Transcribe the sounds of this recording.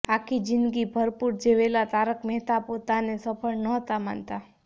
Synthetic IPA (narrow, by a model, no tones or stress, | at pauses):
akʰid͡ʒɪnd̪ɡibʱəɾpuɾd͡ʒeʋelat̪aɾəkmɛɦt̪apot̪anesəpʰəɭnəɦt̪ama̰nt̪a